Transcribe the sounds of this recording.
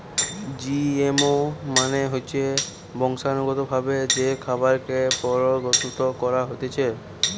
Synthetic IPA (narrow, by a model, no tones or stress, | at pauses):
d͡ʑiemomaneɦojt͡ɕʰe | bɔŋʃanoɡot̪obʱabed͡ʑekʰabaɾkepɔɾoɡot̪ut̪okɔɾaɦot̪et͡ɕʰe